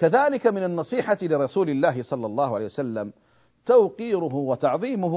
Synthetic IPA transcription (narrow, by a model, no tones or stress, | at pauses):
kaðaːlɪkamɪnanːɑsˤiːħalɪɾˤɑsuːlɪlːaːɦɪsˤɑlːɑlˤːɑːhʊʕaleːjwasalːam | t̪awqiːɾʊɦʊwat̪ɑʕðˤiːmʊ